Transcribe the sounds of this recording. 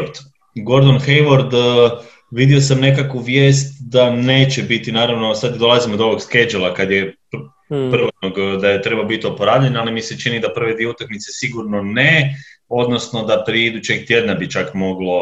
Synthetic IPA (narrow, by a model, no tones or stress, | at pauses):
d̪ | ɡo̞ɾd̪onxejʋoɾd̪ | ʋid̪iosamne̞kakʋuʋje̞ːst̪d̪ane̞ːt͡ɕebit̪inaːɾaʋno̞sad̪d̪o̞lˠazimod̪oo̞ʋo̞ɡske̞d͡ʒelˠakad̪jep | pr̩ʋot̪̚noɡd̪ajet̪ɾe̞balobit̪iopoɾaːʋʎeɲalimise̞t͡ʃinid̪apr̩ʋe̞d̪ʋieut̪akmit̪se̞siɡuɾnoneo̞d̪no̞sno̞d̪apɾieid̪ut͡ɕe̞ɡt̪je̞d̪nabit͡ʃakmo̞ɡlˠo̞